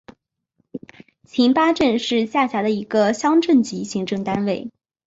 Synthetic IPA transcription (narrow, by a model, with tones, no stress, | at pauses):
t͡ɕʰi˧˥npa˥ʈ͡ʂə˥˧nʂɻ̩˥˧ɕja˥˩ɕja˧˥d̪ə˧i˧˥ɡə˧ɕjɑ˥ŋʈ͡ʂə˥˩nt͡ɕi˧˥ɕi˧˥ŋʈ͡ʂɤ˥˩ŋt̪a˥nwe˥˩ɪ